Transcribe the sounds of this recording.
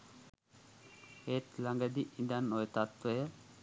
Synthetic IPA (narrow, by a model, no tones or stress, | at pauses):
et̪laŋɡəd̪iʔind̪anːojət̪at̪ʋəjə